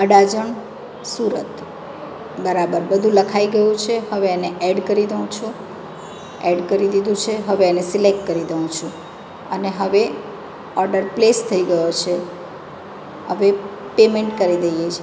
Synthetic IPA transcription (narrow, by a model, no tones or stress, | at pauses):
əɖad͡ʒəɳ | suɾət̪ | bəɾabəɾbəd̪ʱũləkʰaiɡəjũt͡ʃʰeɦəʋeeneʔɛɖkəɾid̪əũt͡ʃʰũ | ɛɖkəɾid̪id̪ʱũt͡ʃʰeɦəʋeːnesilek̚ʈ̚kəɾid̪əɦũt͡ʃʰũ | əneɦəʋe | ɔɾɖəɾplest̪ʰəiɡəjot͡ʃʰe | ɦəʋe | pemeɳʈkəɾid̪əjet͡ʃʰe